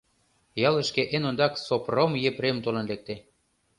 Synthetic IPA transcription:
jɑlə̆ʃkeʔenond̪ɑksopromjepɾemt̪olɤ̆nlek̚t̪e

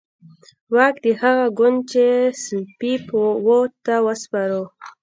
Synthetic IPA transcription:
wɑkd̪əhaɣaɡʊnd̪̚t͡ʃespipwot̪awəspaɾo

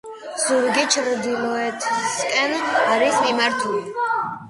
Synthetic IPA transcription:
z̥uɾɡɛt͡ʃʰɾud̪ilˠɔɛt̪ʰskʼɛnaɾismimaɾt̪ʰuli

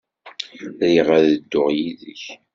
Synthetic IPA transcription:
ɾiʁaɾðəd̪ːʊʁjiðə̰ç

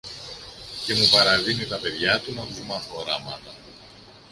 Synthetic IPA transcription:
ce̞mupɐɾɐðinit̪ɐpe̞ðʝɐt̪unɐt̪uzmɐθo̞ɾɐmɐnɐ

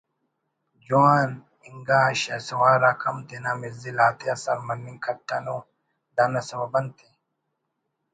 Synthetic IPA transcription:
d͡ʒʊaːn | ɪŋɡaʃɐsɐwaːɾɐkʰɐmt̪ɪnɐmɪzɪlaːt̪ɪɐsɐɾmɐnːɪŋkʰɐt̪ːɐno | d̪ɐnːɐsɐbɐbɐnt̪ɛ

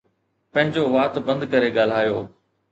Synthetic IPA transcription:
pɐ̃ɦɪ̃ɲd͡ʑoʋaːt̪bɐ̃nd̪kɐɾeɠaːl̤aːjoː

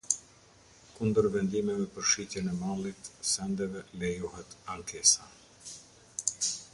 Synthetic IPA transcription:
kund̪əɾvɛnd̪imɛvɛpəɾʃicɛnɛmalˠit̪sɛnd̪ɛvɛlɛjuɦɛt̪aŋkɛsa

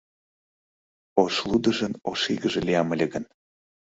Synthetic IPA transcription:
oʃlˠud̪əʒənoʃiɣəʒeliɑməlʲeɣən

